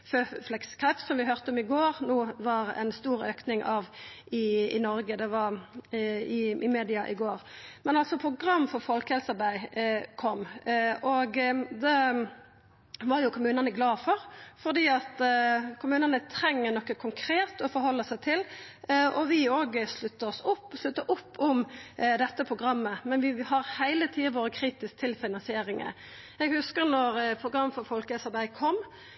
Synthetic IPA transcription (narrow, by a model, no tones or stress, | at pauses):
føːflɛkskʰɑpsɔmʋɪɦøʁt̪əɔmɪɡoːʁnuːʋɑɾæ̰ɪnst̪uːɾøːknɪŋʔɑʋɪɪ̰nɔɾɡəd̪ɛʋɑɾ | ɪʔɪmeːd̪ɪɑʔɪɡoːʁmɛnɑlsɔpʰɾʊɡʁɑmːfɔɾfɔlkəhɛlsəbæɪkʰɔmːʔɔɡd̪ɛ | ʋɑɾjʊkʰʊmʉːnɑnəɡlɑːfɔɾfɔʁd̪iːɑt̪kʰʊmʉːnənət̪ʰɾɛŋːənɔkːəkʰʊŋkʰɾeːt̪ɔfɔɾɦɔlːəsæɪt̪ʰɪl | ɔʋɪoːɡslʉt̪ːəɔsʊpːslʉt̪ːəʔʊpːʊmd̪ɛt̪ːəpʰɾʊɡɾɑmːəmɛnʋɪhɑɾhæɪlət̪ʰiːəʋoːɾəkʰɾiːt̪ɪsk̚t̪ʰɪlfɪnɑnsɪeːɾɪŋə̰ | ɛɡhʉskəɾnɔɾpʰɾʊɡɾɑmːfɔɾfɔlkəɛsɑɾbæɪkʰɔmː